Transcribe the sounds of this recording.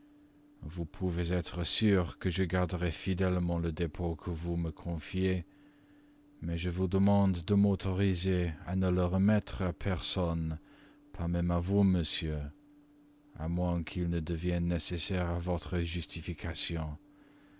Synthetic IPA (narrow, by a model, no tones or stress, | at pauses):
vupʰuvezɛt̪χəsyːʁkəʒəɡaʁd̪əʁɛfid̪ɛlmɑ̃ləd̪epʰokʰəvuməkʰɔ̃fje | mɛʒəvud̪əmɑ̃d̪ːəmot̪ʰɔʁizeanələʁəmɛt̪χapʰɛʁsɔn | pʰaʁmɛmavuməsjø | a̰mwɛ̃kʰilnəd̪əvjɛnːesesɛʁavɔt̪χəʒyst̪ifikʰasjɔ̃